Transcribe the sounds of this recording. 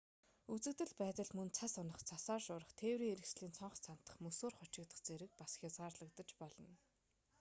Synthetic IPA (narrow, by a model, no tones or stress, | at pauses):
ut͡sɘ̆kt̪ɘ̆ɮpæːt̪ə̆ɮmɵnt͡sʰasɔnə̆χt͡sʰasaːrʃʊːɾə̆χt̪ʰeːwɾiːŋeɾɘ̆ksɮiːnt͡sʰɔɴχɞ̆t͡sʰan̥t̪ə̥̆χmɵsoːrχɔt͡ɕɪ̆kt̪ə̆χt͡seɾɘ̆k̚pasxʲjat͡sʁaːrɮə̆kt̪ə̆t͡ɕpɔɮɞ̆n